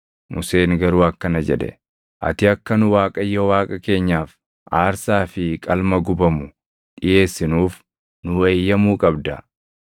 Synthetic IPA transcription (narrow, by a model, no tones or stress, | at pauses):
mʊse̞ːŋɡɐɾuːɐkːɐnɐd͡ʒɛ̰ᶑɛ̰ | ʔɐ̰t̪ɪɐkːɐnʊwaːkʼɐjːowaːkʼɐke̞ːɲːaːf | ʔaːɾsaːfɪkʼɐlmɐɡʊbɐmʊ | ɗᶑɪje̞ːsːɪnuːf | nʊe̞ːjːɐmuːkʼɐbd̪ɐ